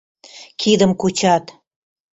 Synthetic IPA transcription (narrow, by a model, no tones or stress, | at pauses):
kʰid̪əmkut͡ɕɑt̪